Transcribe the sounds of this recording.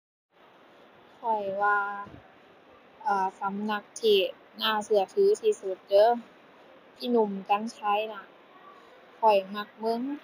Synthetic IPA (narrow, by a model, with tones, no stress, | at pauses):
kʰɔ˨˩jwaː˧ | ʔaː˧˩sa˨˦mna˧k̚t̪ʰiː˧˩ | naː˧˩sɯ˧˩ɐt̪ʰɯː˨˦t̪ʰiː˧˩su˨˩t̪̚t͡ɕɤː˧˥˨ | pʰiː˧˥˩nu˧˩mt̪a˧˥˨ŋt͡ɕʰa˧˥˨jna˧˥ | kʰɔ˨˩jma˧˩k̚mɤ˧˥˨ŋ